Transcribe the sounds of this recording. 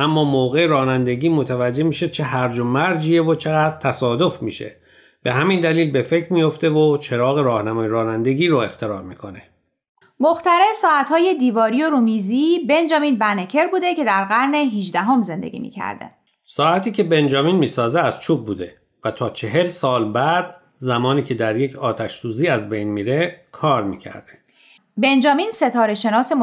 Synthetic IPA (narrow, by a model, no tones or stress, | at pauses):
ʔæmːɒːmoːɣe̞eɾɒːnænd̪e̞ɟiːmo̞t̪ʰævæd͡ʒːe̞miːʃet͡ʃʰe̞ɦæɾd͡ʒomæɾd͡ʒievot͡ʃʰe̞ɣæːd̪ɾt̪ʰæsɒːd̪o̞fmḭːʃḛ | b̥e̞ɦæmind̪æliːlbe̞fe̞cʰɾmijo̞ft̪e̞vot͡ʃʰe̞ɾɒːɣe̞ɾɒːhnæmɒːjeɾɒːnænd̪e̞ɟiːɾoe̞xt̪ʰe̞ɾɒːɾmiːkʰo̞ne̞ | moxt̪æɾesɒːæt̪hɒːje̞d̪iːvɒːɾijoɾumizibe̞nd͡ʒɒːmiːnbænecʰe̞ɾbuːd̪e̞cʰe̞d̪æɾɣæɾne̞ɦiʒd̪æɦo̞mze̞nd̪ḛɡʲḭːmḭːcʰæ̰ɾd̪ḛ | sɒːæt̪ʰiːcʰe̞be̞nd͡ʒɒːmiːnmiːsɒːzeæz̥t͡ʃʰuːb̚buːd̪e̞ | væt̪ʰɒːt͡ʃʰe̞ɦe̞lsɒːlbæd̪̥ | zæmɒːniːcʰe̞d̪æɾjecʰɒːt̪ʰæʃsuːziːæzbejnmiːɾe̞kʰɒːɾmiːcʰæ̰ɾd̪̥e | be̞nd͡ʒɒːminse̞t̪ʰɒːɾe̞ʃe̞nɒːse̞mo